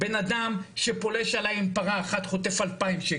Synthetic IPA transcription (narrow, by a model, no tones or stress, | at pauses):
benad̪amʃepo̞leʃalajimpaʁaːχat̪χo̞t̪efalpaimʃe